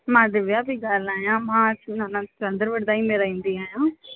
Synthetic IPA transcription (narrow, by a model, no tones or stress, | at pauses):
mãːd̪ɪʋjaːbiɡalaːjãːmãːt͡ʃinãːnãːɐnd̪əɾʋəɽd̪aːĩmeɾaːĩnd̪iãːjãː